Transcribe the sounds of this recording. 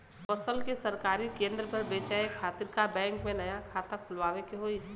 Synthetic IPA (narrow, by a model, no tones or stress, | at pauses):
pɐsəlkisɐɾkaːɾikẽːnd̪ɾəpɐɾbeːt͡ʃaekʰaːt̪ɪɾkabɛ̃ːŋkmẽnɐjakʰaːt̪ãkʰʊlʋaːʋẽkiɦoːi